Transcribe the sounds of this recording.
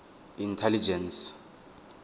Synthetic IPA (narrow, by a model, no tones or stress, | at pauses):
intʰɛlid͡ʒɛns